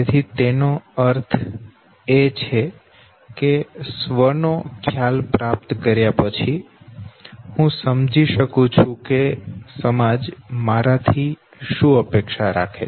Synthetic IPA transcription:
et̪ʰit̪enoəɾt̪ʰ | et͡ʃʰe | kesʋəɾnokʰjalpɾap̚t̪kəɾjapət͡ʃʰi | hũsəmd͡ʒʱiʃəkũt͡ʃʰũkesəmad͡ʒmaɾat̪ʰi | ʃũəpekʃaɾa̰kʰe

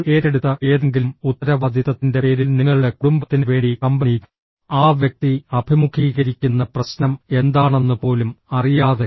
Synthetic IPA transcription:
e̞ːɾeɽut̪ːɐʔeːðeŋɡilumut̪ːɐɾɐʋɐd̪ʱjiðɐt̪ːinde̞e̞ːɾilniŋːɐɭuɽe̞kuɽumbɐt̪ːinɨʋe̞ːɳɖikɐmbei | aːʋjɐk̚t̪iɐbʱimukʰiːɣɐɾikʲːunːɐprɐsnɐme̞nd̪aːɳe̞nːɨpo̞ːlumɐrijaːðe

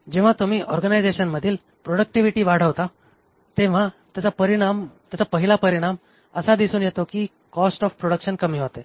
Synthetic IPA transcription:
d͡ʑeʋ̤at̪um̤iːʔɔɾɡənajd͡zeɕənməd̪ʱiːl | pɾoɽək̚ʈiʋiʈiːʋaɽ̤əʋt̪a | t̪eʋ̤at̪jat͡sapəɾiɽamt̪jat͡sapəɦilapəɾiɽ̃am | əsad̪isuːnjet̪okiː | kɔsʈɔfpɾoɽəkɕənkəmiːɦot̪e

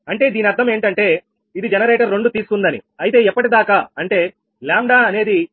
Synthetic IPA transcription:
ɐɳʈe̞ːd̪iːniɐɾd̪ʰʱːɐme̞ːɳʈɐɳʈe̞ː | id̪id͡ʒɛnɐɾeːʈɐɾːe̞ɳɖut̪iːsu̥kund̪ɐnḭɐjt̪e̞ːɛpːɐʈid̪aːkaɐɳʈe̞ː | laːmɖaːɐne̞ːd̪i

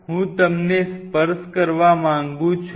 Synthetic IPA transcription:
ɦũt̪əmnespəɾskəɾʋamãŋɡũt͡ʃʰ

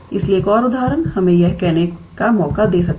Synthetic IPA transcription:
ɪslieːkɔːɾʊd̪aːɾənhɐmẽjɛɦkɛɦnekamɔːkad̪eːsɐk̚

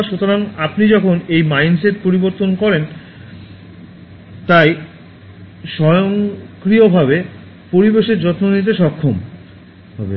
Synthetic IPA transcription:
ʃot̪oɾaŋapnid͡ʑɔkʰonejmajnseʈpoɾiboɾt̪onkɔɾen | t̪aj | ʃɔjoŋkɾiobʱaβe | poɾibeʃeɾd͡ʑɔt̪nonit̪̬eʃɔkʰːom | ɔbe

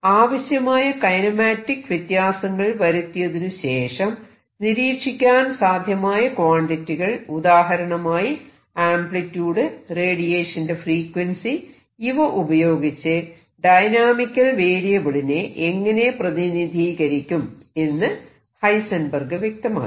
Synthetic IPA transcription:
aːʋɐɕjɐmaːjɐkɐjnɐmaːtːikːɨʋjɐt̪jaːsɐŋːɐɭʋɐɾut̪ːijɐðinuɕe̞ːʂɐm | niɾiːkʂikʲːaːnsaːd̪ʱjɐmaːjɐkʋaːɳɖitːiɣɐɭud̪aːɦɐɾɐɳɐmaːji | aːmpɭitːjuːɽɨre̞ːɽijeːʂɐndefriːkwensi | iʋɐʔubɐjo̞ːɡit͡ɕːɨ | ɖɐjnaːmikʲːɐlʋeːɽijɐʋɐɭineʔeŋːɐne̞prɐðinid̪ʱiːɣɐɾikʲːum | e̞nːɨ | hɐjsɐnbɐrɡɨʋjek̚t̪ɐma̰ː

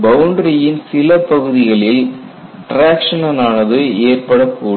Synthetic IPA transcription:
bɐʊɳɖɾɐjɪnsɪlɐpːɐɣɯðɪɣɐɭɪl | ʈɾaːkʂɐnɐnaːnɐðɯeːrpɐɽɐkːuː

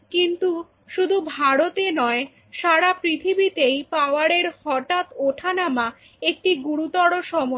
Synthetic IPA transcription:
kint̪u | ʃud̪ʱubʱaɾot̪enɔe | ʃaɾapɾit̪ʰibit̪ejpaoaɾeɾhɔʈat̪oʈʰanama | ek̚ʈiɡuɾut̪ɔɽoʃɔmo

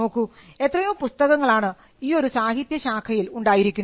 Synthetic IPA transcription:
o̞ːkːu | e̞t̪ːrɐjumpust̪ɐɣɐŋːɐɭaːɳɨ | iːo̞ɾusaːɦit̪jɐɕaːkʰɐjiluɳɖaːjiɾikʲːun

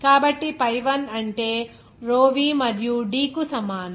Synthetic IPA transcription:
kaːbɐʈːipɐjʋɐnɐɳʈeː | ɾoːʋiːmɐɾjuɖiːkusɐmaːnɐ

